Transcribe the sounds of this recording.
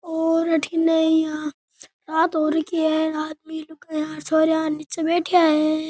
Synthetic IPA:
oːɾɐʈʰinɐĩãː | ɾaːt̪ɦoːɾɐkiɦɛːɾaːt̪̚milʊkeãːɾsoːɾjaːnɪt͡ʃabeːʈʰijaɦɛː

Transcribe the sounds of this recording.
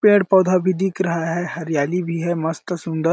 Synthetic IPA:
pẽːɽpɐːd̪ʱabʱid̪ikɾɐɦaɦɛɦɐɾijaːlibʱiɦɛmɐst̪sʊ̃nd̪əɾ

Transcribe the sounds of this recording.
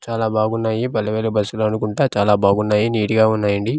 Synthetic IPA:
t͡ʃaːlaːbaːɡunːaːjibɐlːɐʋeːlɐbɐsːuloɐnukuɳʈaːt͡ʃaːlaːbaːɡunːaːjiniːɽiɡaːunːaːjɐɳɖi

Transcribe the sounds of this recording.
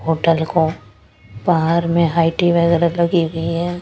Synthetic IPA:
ɦoːʈəlko | baɦaɾmẽɦaːɪʈiʋɛɡəɾɐlɐɡiɡəiɦɛː

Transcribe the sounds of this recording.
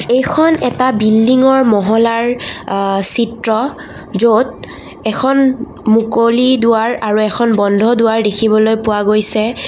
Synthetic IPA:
ejkʰɔnɛtabilːiŋɔɹmɔɦɔlaɹ | sitɹɔ | zot̚ | ɛkʰɔn | mukolidʊwaɹaɹuɛkʰɔnbɔndʱɔdʊwaɹdekʰibɔlojpʊwaɡojsɛ

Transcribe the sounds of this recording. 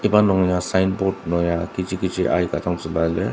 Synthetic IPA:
ibanɔŋjasajnbɔtnɔjakit͡ʃʰikit͡ʃʰiʔa̰jkatʰaŋsɯbale

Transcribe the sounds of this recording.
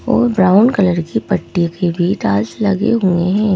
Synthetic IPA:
ɔ̰ːɾbɾaːʊnkɐləɾkipɐʈːikʰebʱiʈaːlslɐɡḛɦueɦɛ̃ː

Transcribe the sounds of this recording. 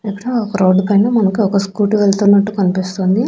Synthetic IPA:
ipːɐɽuɔkɐɾoːɖkɐɳːeːmɐnɐkuɔkɐskuːʈuʋeɭt̪unːɐʈːukɐnipist̪oːnd̪i

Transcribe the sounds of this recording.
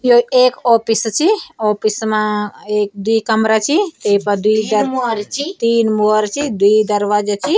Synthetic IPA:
joeːkɔːpist͡ʃʰiopismãeːk̚d̪uikəmɾat͡ʃʰit̪eipɐd̪uid̪əɾt͡ʃʰit̪iːnmoəɾt͡ʃʰid̪uid̪əɾʋad͡ʒat͡ʃʰi

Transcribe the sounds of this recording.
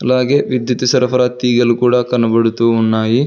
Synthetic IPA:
ɐlːaːɡeʋid̪jɐt̪isɐɾɐpɐɾaːt̪iːɡɐlːukuːɽakɐnːɐbɐɽut̪uunːaːji

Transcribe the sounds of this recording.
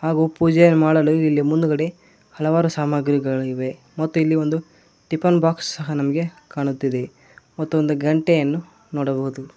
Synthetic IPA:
haːɡuːpuːd͡ʒɛjɐnːumaːɽɐluilːimund̪ukɐɽe | hɐlɐʋaːɾusaːmaɡɾiɡɐɭiʋe̞ | mɐt̪ːuilːio̞nd̪u | ʈipɐnbaːksːɐɦɐnɐmɐɡe̞ | kaːɳut̪ːid̪e | mɐt̪ːuond̪uɡɐɳʈejɐnːu | nɔːɽɐbɐɦud̪u

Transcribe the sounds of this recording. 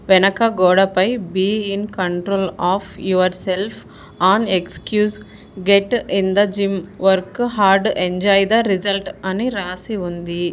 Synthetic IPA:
ʋɛnɐkɐɡɔːɽɐpɐjbiːinkɐɳʈɾoːlaːfʰjuʋɐɾselpʰ | aːnekskjuːs | ɡeʈind̪ɐd͡ʒimʋɐɾkɦaːɾɖeɲd͡ʒaːjd̪ɐɾid͡ʒɐlʈɐniɾaːsiund̪i

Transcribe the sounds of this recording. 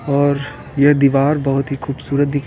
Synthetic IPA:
ɔːɾ | jɛɦd̪iːʋaːɾbɐɦʊt̪ɦixuːbsuːɾət̪̚d̪ɪkʰ

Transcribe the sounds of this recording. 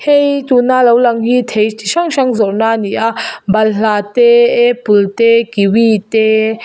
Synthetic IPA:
hejt̪unalawlaŋhit̪ʰejt̪iʃaŋʃaŋzɔɾnaniʔabɐllat̪eepult̪ekiwit̪e

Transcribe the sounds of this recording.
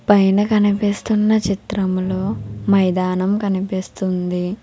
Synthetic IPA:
pɐjnɐkɐnipist̪unːɐt͡ʃit̪ɾɐmloːmɐjd̪aːnɐmkɐnipist̪und̪i

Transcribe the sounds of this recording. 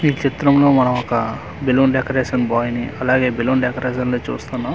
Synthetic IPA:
miːt͡ʃit̪ɾɐmlo̞ːmɐnɐmɔkɐ | biloːnɖekɐɾeːʂɐnbaːjniʔɐlaːɡe̞ːbiloːnɖekɐɾeːʃɐnloːt͡ʃṵːst̪unːaːm

